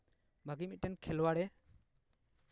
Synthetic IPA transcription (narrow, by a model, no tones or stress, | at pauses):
bʱaɡimic̚tɛnkʰɛlwaɽɛ